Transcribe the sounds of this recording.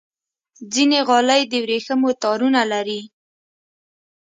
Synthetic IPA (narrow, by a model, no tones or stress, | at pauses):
d͡zineɣɑləjd̪əwɾexəmot̪ɑɾunalaɾi